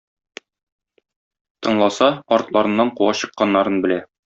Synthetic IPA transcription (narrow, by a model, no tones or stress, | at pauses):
t̪ɤ̆ɴlˠɑsɑɒɾt̪lˠɑɾɤ̆nːɑɴquwɑɕɤ̆qːɑnːɑɾɤnbɘ̆læ